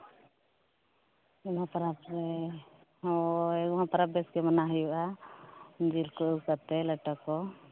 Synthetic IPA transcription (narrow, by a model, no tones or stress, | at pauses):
umãpaɾapɾɛ | ɔɛɡɔmãpaɾap̚bɛsɡɛmanaɦəjuʔa | d͡ʒilkɔʔəkat̪ɛləʈakɔ